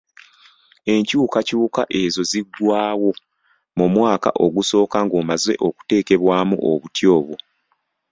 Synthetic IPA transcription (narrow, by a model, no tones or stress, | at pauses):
e̞ɲcuːkacuːka̰ʔe̞zo̞ziɡwaːwo̞ | mumwaːka̰ʔo̞ɡuso̞ːkaŋɡoːmaze̞ʔo̞ku̥te̞ːke̞βwaːmṵʔo̰βutjo̞ːβwo